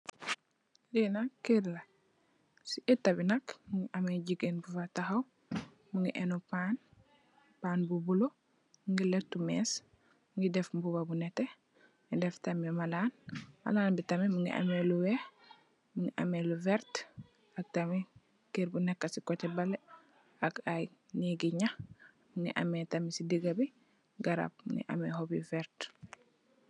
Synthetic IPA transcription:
linakiɾlɐ | siʔitːɐbinɐkmuŋɡiʔɐmeɟiɡenbufataxaw | muŋɡiʔɛnopaːn | paːnbubulo | muŋɡiletːumɛs | muŋɡidɛfmbubabunɛte | ŋidɛftamimalaːnmɐ̰laːnbitɐmimuŋɡḭʔɐ̰meluwɛ | muŋɡiʔɐ̰meluvɛɾt | ɐk̚tɐmi | kiɾbunɛkːɐsikɔtɛbɐle | ɐkajniɡiɲɐ | muŋɡḭʔɐ̰metɐmisidiɡɐbi | ɡɐɾa̰b̚ŋɡḭʔɐ̰mɛhobivɛɾt

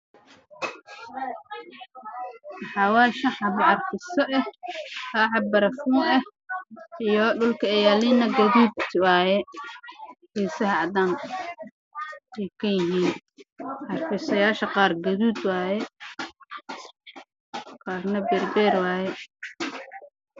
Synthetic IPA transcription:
wɑħɑːwaːʃɐħɑbɐrfɪsɔʔɛhkaːħɑbɐɾɐfuːnɛh | ijɔɖʊlkʰɐɛjaːlɪnɐɡɐðuːd̪wɑːjɛ | hɛːsɐɦɐɑd̪aːn | ʔɛjkʰɐjɪɦiːn | ʔɑrfɪsɐjaːʃɐqɑːrɡɐðuːd̪wɑːjɛ | qɑːrnɐbɛːrbɛːrwɑːjɛ

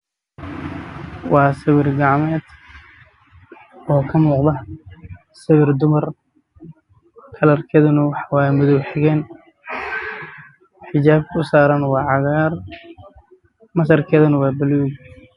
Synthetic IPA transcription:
wɑːsɐwɪrɡɑʕmɛːd̪ | ɔːkʰɐmuːqd̪ɐ | sɐwɪrd̪ʊmɐr | kʰɐlɐrkʰɛːðɐnɐwɑħɑwɑːjɛmʊðɔwħɛɣɛːn | ħɪt͡ʃaːb̚kʰʊʊsaːɾɐnwɑːʕɑɣaːr | mɐsɐrkʰɛːðɐnɐwɑːbɐluːɡ

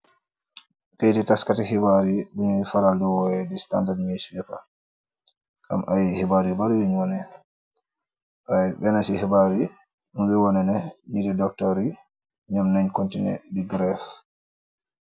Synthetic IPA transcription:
kɛtɛtaskatɛhibaɾiɗunfaɾaldɔwɔjɛdɛstandadmiswɛka̰ | ʔa̰mʔajihɛbaɾibaɾwiɲwɔnɛ | ʔabɛnasihɛbaɾi | nubɛwɔnɛnɛnidɛdɔk̚tɔɾi | ɲamnaɲkontinɛ̰diɡɾɛf

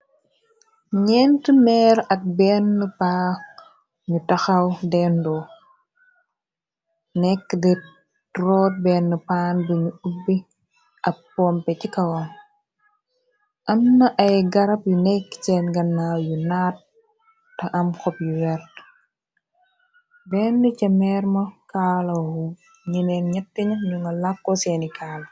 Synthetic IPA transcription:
ɲɛntəmɛːɾɐk̚bɛnːəpa | ɲutɐxɐwdɛndɔ | nɛkːdɛ | tɾɔːt̚bɛːnːəpaːnbəɲuubːi | ʔɐpːɔmpɛcikɐwɐm | ʔɐmnɐʔɐjɡɐɾɐpjunɛkːsɛːnɡɐnːajunaːt̚ː | ɐʔɐmkɔpjuwɛɾt | bɛːnːucɐmɛɾmɐkaːlɐhu | ɲinɛnɲɐtːiɲɐɲuŋɡɐlakːɔsɛnikaːl

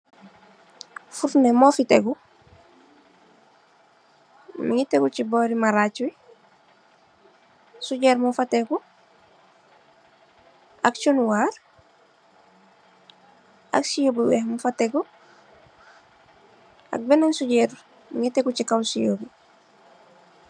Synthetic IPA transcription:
fuɾnemofiteku | miŋitekut͡ʃiboːɾimaɾat͡ʃwi | suɟeːɾmufateku | akt͡ʃunwaːɾ | a̰ksijoːbiwehmufateku | a̰k̚benansuɟeɾ | miŋitekut͡ʃikawsijobi

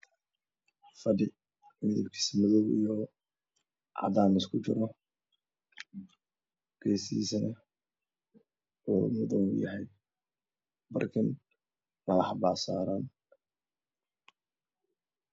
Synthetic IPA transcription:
fɐdɪ | mɪðḭbkʰi̥ːsmɐðɔːbḭjɔ | ʕɑ̰ðaːmɪskʰʊt͡ʃɪɾɔ | ɡ̥ɛːsḭːsɐnɐ | uːmʊðɔŋʊjɐ̰ɦɛj | bɐ̰rkʰɪn | mɐlɐħbaːsaːɾaːn

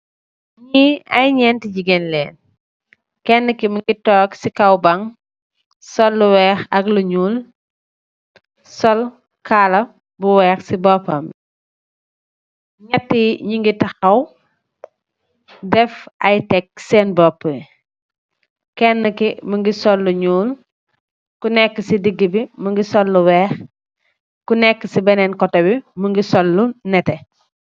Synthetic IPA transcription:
ɲiɐjɲɛntid͡ʒiɡɛnlɛːn | kɛnːəkiməŋɡitɔːksikɐwbɐŋ | sɔlːuwɛːxɐkluɲuːl | sɔl | kaːlɐ | buwɛːxsibɔpːɐm | ɲɛtːiɲuŋɡitɐxɐw | dɛfɐjtɛk̚sɛːnbɔpːə | kɛnːəkiməŋɡisɔlːuɲuːl | kunɛkːəsidiɡːibiməŋɡisɔlːuwɛːx | kunɛkːəsibɛnɛnkɔtɐbiməŋɡisɔlːunɛtɛ

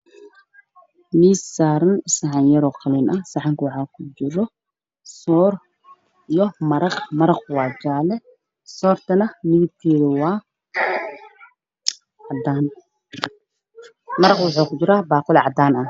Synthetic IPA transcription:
miːsːaːɾɐnsɐʕɑnjɐɾɔqɑlinʔɐsɑʕɑŋkʰwɑħaːkʰʊd͡ʒɪɾɔ | sɔːr | ijɔmɐɾɑqmɐɾɑqwɑːd͡ʒaːlɛ | sɔːrt̪ʰɐnɐmɪɣɪt̪ʰiːðɐwɑː | ɑd̪aːn | mɐɾɑqwʊħuːkʊd͡ʒɪɾaːbaːqʊlʕɑ̰d̪aːnɐ

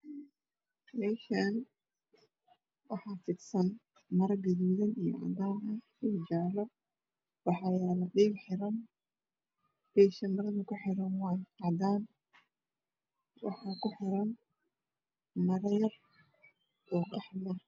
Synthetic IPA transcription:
mɛːʃan | wɑħɑːfɪd̪sɐn | mɐɾɐɡɐðuːðɐnijɔ̰ʔɑ̰d̪aːnɐ | ɪd͡ʒɑʕlɔ | wɑħɑːjaːlɐɗiːbħɪɾɐn | b̥ɛːʃɐmɐɾɐnʊkʰʊħɪɾɐnwaːjʔɑd̪aːn | wɑ̰ħɑːkʊħɪɾɐn | mɐɾɐjɐr | ʔɔːqɑħlɐ

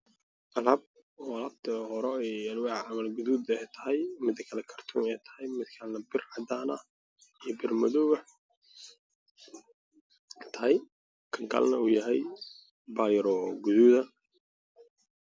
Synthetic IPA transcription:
ʔʔɐlɐb̚ | ɔːɐlɐbt̪ʰɐɦɔɾɛɛjɐlwɑʕʕɑmɐlɡʊðuːd̪ɛjt̪ʰɐ̥ɦɛjmɪd̪ɐkʰɐlɛkʰɐrt̪ʰuːnɛjt̪ʰɐ̥hɛjmɪd̪kʰanːɐbɪrʕɑd̪aːnɐ | ijbɪrmɐðɔːɣɐ | t̪ʰɐɦɛj | kʰɐŋɡa̰lnɐuːjɐɦɛj | baːjɐɾɔɡʊðuːðɐ

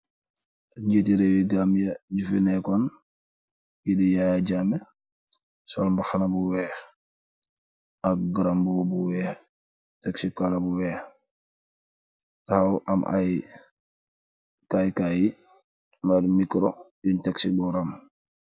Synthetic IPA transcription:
ɟetiɾewiɡamjaɟufinɛkɔn | jidijajaɟamɛ | sɔlmbaxanabuwɛːx | ak̚ɡaɾambubuwɛːx | teksikːalabuwɛːx | tahawʔa̰mʔa̰j | kajkaji | madmikɾojintaksibɔɾam

